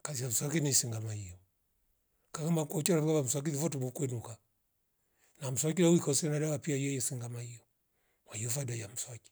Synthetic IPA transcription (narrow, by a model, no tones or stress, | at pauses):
kaziam̩swakinisiŋɡamahijɔ | kaɡamakuɔt͡ʃaɾaɡaβam̩swak̬iðivɔtumukwɛnuka | nam̩swakilauikɔsiɛnaɗawapiajɛjɛsiŋɡamahijɔ | mahiɔfadajam̩swaki̥